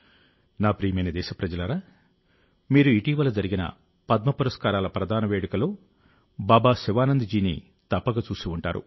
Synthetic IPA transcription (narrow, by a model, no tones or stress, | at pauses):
naːpɾiːjɐmɐjnɐd̪ɛːʃɐpɾɐd͡ʒɐlɐɾaː | miːɾuiʈiːʋɐlɐd͡ʒɐɾiɡinɐ̰ | pɐd̪̚mɐpuɾɐskaːɾaːlɐpɾɐd̪ʱaːnɐʋeːɽɐkɐlo̞ː | baːbaːsiʋaːnɐnd̪id͡ʒiːnḭ | t̪ɐpːɐɡɐt͡ʃuːsiuɳʈaːɾṵ